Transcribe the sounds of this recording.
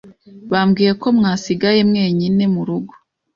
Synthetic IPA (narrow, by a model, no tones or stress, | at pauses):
βaːmɡiːje̞ko̞mŋaːsiɡaje̞mŋe̞ːɲine̞muɾuɡo̥